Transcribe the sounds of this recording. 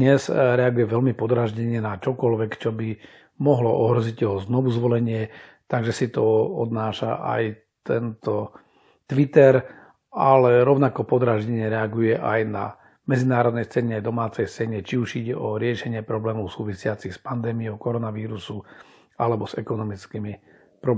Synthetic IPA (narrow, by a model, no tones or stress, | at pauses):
ɲɛzɾɛaɡujɛʋɛlmipɔd̪ɾaʒɟɛɲɛnat͡ʃɔkɔlʋɛkt͡ʃɔbi | mɔɦlɔʔɔɦɾɔziɟtɔɦɔznɔʋuzʋɔlɛɲɪɛt̪aɡʒɛsit̪ɔɔd̪naːʃa̰ʔa̰j | t̪ɛnt̪ɔ | t̪ʋit̪ɛɾ | ʔalɛɾɔʊnakɔpɔd̪ɾaʒɟɛɲɛɾɛaɡujɛʔajna̰ | mɛd͡zinaːɾɔd̪nɛjst͡sɛɲɛajd̪ɔmaːt͡sɛjst͡sɛɲɛt͡ʃiuʒiːɟɛʔɔɾɪɛʃɛɲɪɛpɾɔblɛːmɔʊsuːʋisɪat͡sixspand̪ɛːmiɔʊkɔɾɔnaʋiːɾusu | alɛbɔz̥ɛkɔnɔmit͡skiːmi | pɾɔb